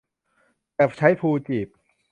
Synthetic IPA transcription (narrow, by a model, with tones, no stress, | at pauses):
kɛː˨˩p̚t͡ɕʰa˦˥jpʰuː˧t͡ɕiː˨˩p̚